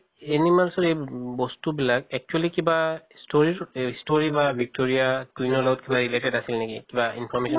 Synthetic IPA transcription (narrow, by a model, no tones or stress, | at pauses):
ɛnimalsɔɹejbɔstubilakɛk̚t͡ʃualikibastoɹistoɹibabʱik̚toɹijakinɔlɔɡɔt̚kibaɹiletɛdasilnekikibaḭnpʰɔmesɔn